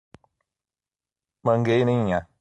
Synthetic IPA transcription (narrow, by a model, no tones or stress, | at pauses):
mə̃ŋɡejnĩɲã